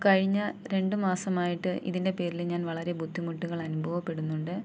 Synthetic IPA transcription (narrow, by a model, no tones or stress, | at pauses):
kɐɻiɲːɐɾe̞ɳɖɨmaːsɐmaːjiʈːɨʔḭðinde̞pe̞ːɾilɲaːnʋɐɭɐɾe̞bʱud̪ʱːimuʈːuɣɐɭɐnubʱɐʋɐpːe̞ɽunːuɳɖɨ